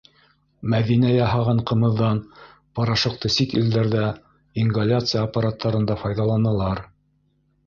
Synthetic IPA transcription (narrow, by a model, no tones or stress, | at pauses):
mæðinæjɑɦɑʁɑɴqɤ̆mɤ̆ðːɑn | pɑɾɑʃɤ̆q̚t̪ɤsikḭld̪æɾðæ | iŋɡalʲat̪sɨjaːpːaɾat̪ːɑɾɤ̆nd̪ɑfɑjðɑlˠɑnɑlˠɑɾ